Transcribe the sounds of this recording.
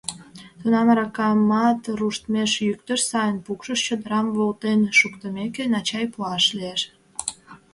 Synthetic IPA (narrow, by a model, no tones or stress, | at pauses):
t̪unɑnɾɑkɑmɑt̪ruʃt̪meʃjykt̪əʃsɑjənpukʃəʃt͡ɕod̪əɾɑmβolt̪enʃukt̪əmekenɑt͡ɕɑjpuɑʃlieʃ